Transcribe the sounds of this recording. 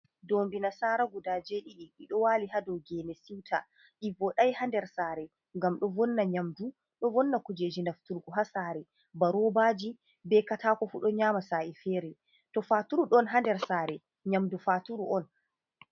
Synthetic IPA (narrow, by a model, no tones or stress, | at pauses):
dombinasaːɾaɡudaːd͡ʒeɗiɗiɗiɗɔwaːlihadɔwɡɛnesiwtʰa̰ | ʔivɔɗajhandɛɾsaːɾɛ | ŋɡamɗɔvɔnːaɲamdu | ɗɔvɔnːakud͡ʒed͡ʒinaftuɾɡuɦasaːɾɛ | baɾɔbaːd͡ʒi | bɛkataːkɔfuɗɔɲaːmasaːʔifɛːɾɛ | tɔfaːtuɾuɗɔnɦandɛɾsaːɾɛ | ɲamdufaːtuɾuʔɔn